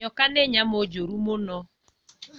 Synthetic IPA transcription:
ɔkaneɲamod͡ʒoɾumonɔ

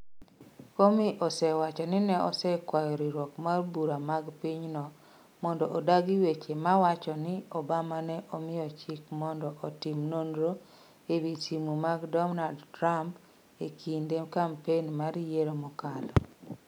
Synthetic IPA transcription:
komiʔɔsɛwat͡ʃɔnɪnɛɔ̰sɛkwajɔɾiɾwɔkmarbuɾamaɡpiɲnɔ | mɔndɔʔodaɡiwet͡ʃemawat͡ʃɔnɪɔbamanɛʔɔmɪjɔt͡ʃikmɔndɔʔotimnondɾo | ebitimumaɡdɔmnaldtɾamp | ekʰindekampenmaɾjeɾomɔkalɔ

